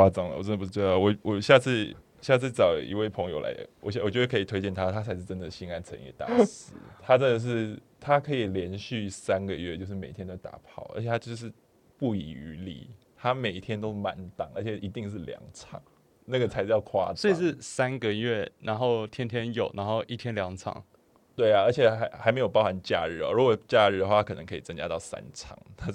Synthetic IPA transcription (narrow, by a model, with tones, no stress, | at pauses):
a˥t͡sɑ˨˩ŋlə̰˨wɔ˨˩ʈ͡ʂə˥nə˩pu˧ʂ̩˥˩we˥ɑ˥˩wɔ˨˩wɔ˨˩ɕja˥˧t͡sʰɹ̩˥˩ | ɕja˥˧t͡sʰɹ̩˥˩t͡sɑ˨˩ʊḭ˧˥we˥˩ɪpʰɤ˧˥ŋjo˧ʊla̰˧˥ɪə̰˩wɔ̰˨˩ɕɛ˧wt͡ɕjwkʰə˧˥i˨˩t̪we˥ɪt͡ɕɛ˥˩nt̪ʰa˥t̪ʰa˥t͡sʰa˧˥ɪʂɻ̩˥˩ʈ͡ʂə˦˥nd̪ə˨˩ɕi˥ŋa˥nt͡sʰə̰˧˦njɛ̰˨˩t̪a̰˥˨˩s̩˧˥˧t̪ʰa˥ʈ͡ʂə˦nd̪ə˨ʂ̬ɻ̩˥˩ | t̪ʰa˥kʰɤ˧˥i˨˩ljɛ˧˥nɕy˥˩sa˥nɡə˨ɥɛ˥˧t͡ɕjo˥˧ʊʂɻ̩˥˩me˨˩ɪt̪ʰjɛ˥nt̪o˥˩t̪a̰˨˩pʰɑ˥˩ʊʔə̰˧˥t͡ɕʰjɛ˨˩a˥jo˥˧ʊʂ̬ɻ̩˥˧ | pu˥˩ḭ˨˩y˧˥lḭ˨˩ | t̪ʰa˥me˨˩ɪ˥t̪ʰjɛ˥nt̪o˥ʊma˧˦nt̪ɑ˨˩ŋə˞˧˥t͡ɕʰjɛ˨˩ʔi˧˥t̪i˥˧ŋʂ̬ɻ̩˥˩ljɑ̰˨˧˥ŋt͡sʰɑ̰˨˩˦ŋ | na˥˩ɡə˩t͡sʰa˧˥ɪʂɻ̩˥˧jɑ˥˩ʊkʰwa̰˥swɔ˧˥i˧˨˩ʂɻ̩˥˩sa˦˥nɡə˨ɥɛ˥˩na˧˥nxo˥˩ʊt̪ʰjɛ˥nt̪ʰjɛ˥njo˨˩ʊna˧˥nxo˥˧ʊʔi˥˩t̪ʰjɛ˥nljɑ˧˥ŋt͡sʰɑ̰˨˩˦ŋ | t̪we˥˩ɪa˩ə˞˧˥t͡ɕʰjɛ˨˩˧ɪxa˧˥ɪme˧˥ɪjo˨˩pɑ˥ʊxa˧˥nt͡ɕja̰˥˧ɻɻ̩˥˩ɐ̰˨˩ɻu˧˥ɡo˨˩t͡ɕja˥˧ɻ̩˥˩də˨xwa˥˩a˥kʰɤ˨˩nə˧˦ŋkʰɤ˧i˨˩t͡sə˥ŋt͡ɕja̰˥t̪ɑ˥˩ʊsa̰˦˥nt͡sʰɑ̰˨˩˦ŋt̪ʰa˥